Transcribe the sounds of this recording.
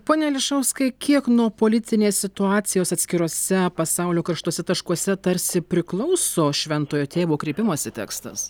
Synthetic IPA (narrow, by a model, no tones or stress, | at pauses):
poːnʲɛlʲɪʃɐʊskɐɪkʲiɛknuɔpoːlʲɪt̪ʲɪnʲeːsʲsʲɪt̪ʊɑːt̪sʲɪjoːsɐt̪ʲsʲkʲɪɾoːsʲɛpɐsɐʊlʲoːkɐrʃt̪uɔsʲɛt̪ɐʃkuɔsʲɛt̪ɐɾʲsʲɪpʲɾʲɪklˠɒʊsoːʃʲʋʲɛnt̪oːjoːt̪ʲeːʋoːkɾʲeɪpʲɪmoɔsʲɪt̪ʲæ̰ːkst̪ɐs